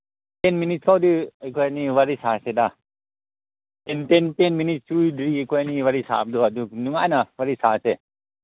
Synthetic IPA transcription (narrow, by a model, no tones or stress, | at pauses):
penminitskʰawdiajkʰojaniwaɾisaseda | tenpenpenminit̚sɾujdɾijkʰojaniwaɾisa̰p̚dɔaduk̚nuŋajnawaɾisase